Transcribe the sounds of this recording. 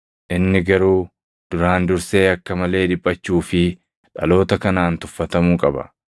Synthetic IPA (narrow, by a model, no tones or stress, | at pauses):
ʔɪnːɪɡɐɾuː | d̪̥ʊɾaːnd̪ʊɾse̞ːɐkːɐmɐle̞ːd̪ɪpʼːɐt͡ʃːuːfɪ | ᶑɐ̰lo̞ːt̪ɐkɐnaːnt̪ʊfːɐt̪ɐmuːkʼɐbɐ̰